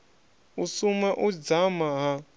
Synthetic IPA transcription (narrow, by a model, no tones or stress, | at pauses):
usumaʔud͡zamaɦa